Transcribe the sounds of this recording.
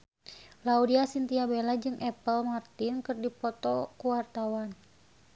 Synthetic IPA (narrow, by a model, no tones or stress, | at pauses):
laudiasint̪iabelad͡ʒɨŋʔɛpəlmart̪inkɨrdipɔt̪ɔkuwart̪awan